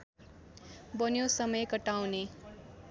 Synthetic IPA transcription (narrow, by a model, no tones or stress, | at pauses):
bʌnjosʌmʌjkʌʈawne